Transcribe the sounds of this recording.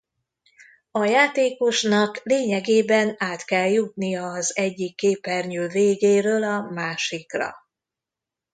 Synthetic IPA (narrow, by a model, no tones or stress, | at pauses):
ɒjaːt̪eːko̞ʃnɒkleːɲɛɡeːbɛnaːt̪kɛljut̪nijɒɒzɛɟːikːeːpɛrɲøːveːɡeːɾøːlɒmaːʃikrɒ̰